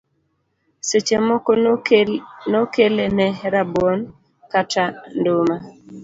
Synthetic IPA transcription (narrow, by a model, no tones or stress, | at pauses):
set͡ʃemɔkɔ | nɔkelenɛɾabwɔn | katandoma